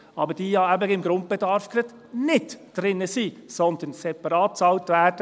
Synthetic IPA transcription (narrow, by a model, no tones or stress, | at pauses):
ɑbəd̥iːjɑːæbəɪmɡɾʊnt̚b̥ɛd̪ɑɾfkɾɪt̪ | nɪtd̥ɾɪnːəsiːsɔnd̪ənsɛpɑɾɑːt̚t͡sɑltvæːd̥ə